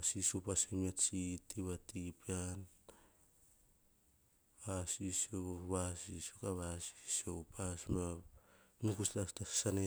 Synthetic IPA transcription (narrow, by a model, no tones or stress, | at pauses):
asisopasemiat͡ʃitiβatipian | βasisoβasisokaβasi̥soupʰasma | nukuslastasane